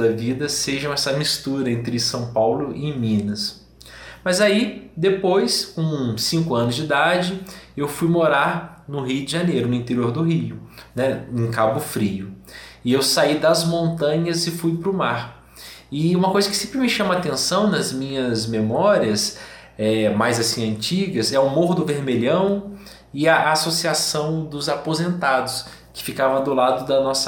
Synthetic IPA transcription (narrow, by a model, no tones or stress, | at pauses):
d̪ɐvid̪ɐseʒɐ̃w̃ɛsɐmist̪uɾɐẽnt̪ɾɪsɐ̃w̃pawlʊʔɪmĩnɐs | mɐzaid̪epojskõsĩŋkʊɐ̃nʊzd͡ʒɪd̪ad͡ʒɪewfujmoɾaɾnʊɦijʊd̪ɪʒanejɾʊnʊĩt̪eɾioɾd̪ʊɦiʊnɛẽkabʊfɾiʊɪewsaid̪ɐzmõnt̪ɐ̃ɲɐzɪfujpɾʊmaɾ | ɪũmɐkojzɐkɪ̥sẽmpɾɪmɪʃɐ̃mɐat̪ẽsɐ̃w̃nɐzmĩɲɐzmemɔɾiɐs | ɛmajzasĩɐ̃nt͡ʃiɡɐzɛʊmoɾd̪ʊveɾmeʎɐ̃w̃ | ɪɐʔasosiasɐ̃w̃d̪ʊzapozẽnt̪ad̪ʊs | kɪ̥fikavɐ̃w̃d̪ʊlad̪ʊd̪ɐnɔsɐ